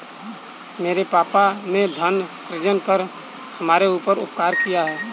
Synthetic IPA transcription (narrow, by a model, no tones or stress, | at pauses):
meːɾepaːpaned̪ʱənsɾɪd͡ʒənkəɾ | həmaːɾeuːpəɾʊ̰p̚kaːɾkijaɦɛː